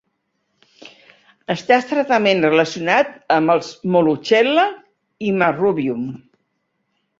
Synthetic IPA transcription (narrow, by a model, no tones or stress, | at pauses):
əst̪ast̪ɾət̪əmenrələsiunat̪̚əmbəlˠzmolut͡ʃɛlə | iməruβium